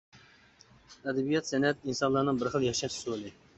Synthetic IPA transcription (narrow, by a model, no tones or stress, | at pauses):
ɛd̪ɛbijɑt̪sɛnɛt̪̚insɑnlˠɑnɨŋbɪɾχəlˠjɑχʃɛʃsulɪ